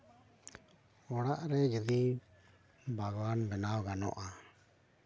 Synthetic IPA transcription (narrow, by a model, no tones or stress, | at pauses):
ɔɽaʔɾɛd͡ʒəd̪i | bʱaɡwanbɛnawɡanɔ̰ʔa